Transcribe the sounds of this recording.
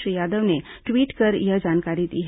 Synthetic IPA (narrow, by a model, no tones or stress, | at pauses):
ɾijad̪əʋneʈʋiːʈkəɾjəd͡ʑankaɾiːt̪ɦ